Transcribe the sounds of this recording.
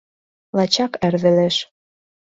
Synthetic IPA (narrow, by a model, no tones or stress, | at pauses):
lɑt͡ɕɑkærβɘ̆leʃ